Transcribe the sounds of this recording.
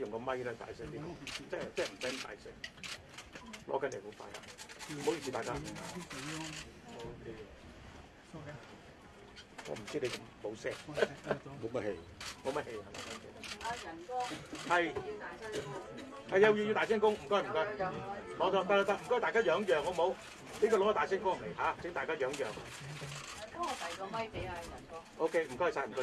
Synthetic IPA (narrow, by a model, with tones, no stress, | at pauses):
jʊ˨˩ŋkɔ˧mɐ˥jlɛː˥˧tʰa̰ː˨˩jsɛː˥ŋt̪iː˥ho˨˦t͡sɛː˥˨t͡sɛː˥˨m̩˨˩sɐ˨˥m˨˩t̪a̰ː˨˩sɛː˥ŋ | lʔɔ̰ː˨˧˥kɐ˨˥ne˨˩ho˨˦wfa̰ː˧jha̰ː˨˧˨o˧wji˨siː˧t̪aː˨kaː˥ | okʰe˧ | ŋɔ̰ː˨˧m̩˨˩t͡si˥ne˨˧kɐ˧mmo˨˧wsɛː˥k | mo˨˧mɐ˦t̚he˧jm˨˧wmɐ˥he˧ja˨˩ŋ˨˩o˧˥kʰe˧˩t̪a˧ɐ˨˩nkɔ˥hɐ˨j̪a˨˥ | hɐ˨jɐ˧wjiː˨ji˧t̪aː˨sɛː˥ŋkʊ˥ŋm̩˨˩kɔː˥jm̩˨˩kɔ˥˧kɔ˨˧˥t͡sɔ˧t̪a˧la˧t̪a˧˥m̩˨˩kɔ˥˨˩aː˨˩kaː˥jœː˨˥ŋjœː˨˩ŋːɔ˨˧mo˨˧w | neː˥kɔː˧lʊ˨˥ŋɔ˧˩t̪ːsɛː˥nkʊ˥ŋ˨˩le˨˩jhaː˨˥t͡sɪ˨˥ŋt̪aː˨jkaː˥jœː˨˧˥ŋjœː˨˩ŋ | kɐ˦ɔ˨˧t̪ɐ˨jkɔ˧ɐ˥e˨ɐ˨˩nkɔ˥ʔo˥˧wkʰe˥jm̩˨˩kɔ˥jhsaː˧˩m̩˨˩kɔ˧˥